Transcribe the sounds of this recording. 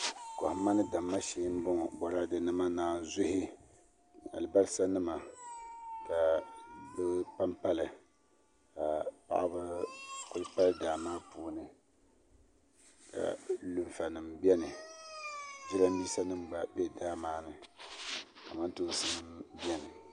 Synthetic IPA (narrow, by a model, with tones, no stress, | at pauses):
kɔ˨hma˦nɨ˦da˨mːa˦ʃeː˨˦m˦bʊ˦ŋ˨bɔ˨ɾa˦dɨ˨nɨ˦ma˦naː˦˨n˨zʊ˦hɪ˦ | a̰˨lɨ˨ba˦lsa˦nɨ˦ma˨ | ka˨bɨ˦pa˦mpa˦lɨ˨ | ka˨pa̰˦ʔa˦bɨ˦sʊ̥˨kʊ˦lpa˦ldaː˨maː˦puː˨nɨ˦ | ka̰˨lu˦ɱfa˨nɨ˨mbɛ˦nɨ˨ | d͡ʒi˦la˦m˦bi˦sa˦nɨ˦mba˨bɛ˦daː˦maː˦nɨ˨ | ka˨ma˦ntu˦sɨ˦nɨ˦mbi˦ɛ˦nɨ˨